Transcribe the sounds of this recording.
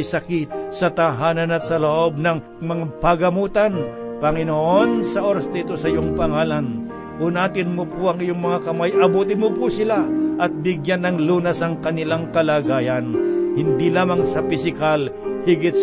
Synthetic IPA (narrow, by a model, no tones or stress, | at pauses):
jsɐkɪt̪̚sɐt̪ɐɦaːnɐnɐt̪̚sɐloʔob̚nɐŋ | mɐŋapɐɡɐmuːt̪anpɐŋɪnoʔonsɐʔoɾɐsd̪iːt̪o̞sɐɪjoŋpɐŋaːlan | ʔʊnaːt̪ɪnmopʊɐŋɪjoŋmɐŋakɐmajʔɐbuːt̪ɪnmopʊsɪlaʔɐt̪̚bɪɡjanːɐŋluːnɐsɐŋkɐnɪlaŋkɐlaːɡaːjɐnhɪnd̪ilaːmaŋsɐpɪsɪkalhɪɡɪt̪̚s